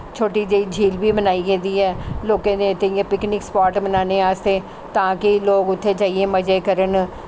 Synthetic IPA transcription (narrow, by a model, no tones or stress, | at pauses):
t͡ʃʰoːʈid͡ʒəiːd͡ʒʱiːlbʱiːbənaːiɡeːd̪iːɦɛːloːkẽd̪et̪ejẽpɪknɪkspaːʈbənaːneaːst̪eː | t̪ãːkɪloːɡʊt̪ʰːed͡ʒaːieməd͡ʒeːkəɾən